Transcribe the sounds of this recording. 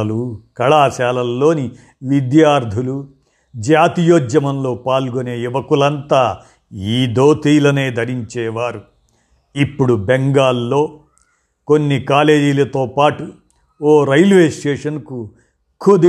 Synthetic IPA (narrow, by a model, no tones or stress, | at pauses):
lukɐɭaːʃaːlɐlːo̞ːni | ʋid̪jaːɾd̪ʱulu | d͡ʒaːt̪ijoːd͡ʒjɐmɐmlo̞ːpaːlɡoneːiʋɐkulɐnt̪aː | iːd̪oːt̪iːlɐneːd̪ʱɐɾiɲt͡ʃɛːʋaːɾu | ipːuɽubeŋɡaːlːo̞ː | konːikaːle̞ːd͡ʒilɐt̪oːpaːʈu | oːɾɐjlʋe̞ːsʈeːʂɐnku | kʰud̪i